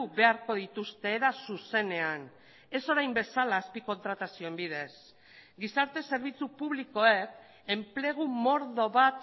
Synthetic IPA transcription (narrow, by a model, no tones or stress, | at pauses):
uβe̞aɾko̞ð̞it̪ust̪e̞ːðasuse̞ne̞an | e̞so̞ɾajmbe̞salaːspiko̞nt̪ɾat̪asio̞embið̞e̞s | ɡisaɾt̪e̞se̞ɾβ̞it͡supuβliko̞e̞k | e̞mpleɣ̞umo̞ɾðo̞βat̪